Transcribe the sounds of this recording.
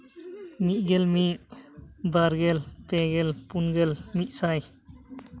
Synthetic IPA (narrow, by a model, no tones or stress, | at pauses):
miʔ̪̚ˀɡɛlmiʔ | d̪aɾɡɛlp̪ɛɡɛlpunɡɛlmiʔ̪̚ˀsaj